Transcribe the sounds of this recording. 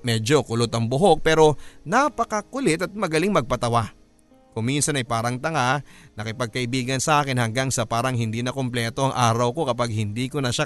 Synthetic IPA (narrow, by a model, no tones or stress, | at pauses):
mɛːd͡ʒo̞kʊlot̪ɐŋbʊɦo̞k̚pɛːɾo̞napɐkɐkʊlɪt̪ɐt̪̚mɐɡɐliŋmɐɡ̚pɐt̪ɐwa | kʊŋminsɐnɐjpaːɾɐŋt̪ɐŋanɐkɪpɐɡ̚kɐʔɪbiːɡɐnsɐʔaːkɪnhɐŋɡaŋsɐpaːɾɐŋhɪnd̪iːnɐkomplɛːt̪o̞ʔɐŋʔaːɾɐwko̞kɐpaɡ̚hɪnd̪iːkonɐʃa